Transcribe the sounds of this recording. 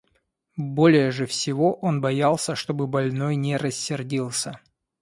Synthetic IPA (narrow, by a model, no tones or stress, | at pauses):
bo̞lʲɪjəʐɨfsʲɪvo̞ʔo̞nbɐjalˠsʲəʂt̪o̞bɨbɐlʲno̞jnʲɪɾəsʲːɪrdʲilˠsʲə